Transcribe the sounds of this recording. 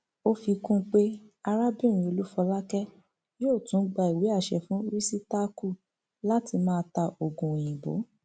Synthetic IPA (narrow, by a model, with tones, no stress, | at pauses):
o˦fi˧kũ˦k͡pe˦a˧ɾa˦bĩ˦˨ĩ˧˨o˧lu˦fɔ˧la˦kɛ˦ | joː˦˨tũ˨˦ɡ͡ba˧i˨we˨˦a˦˨ʃɛ˨fũ˨˦ɾi˦si˦ta˦ku˦˨ | la˦ti˧mãː˦˧ta˧o˨ɡũ˨j̃ĩ˨bo̰˨˦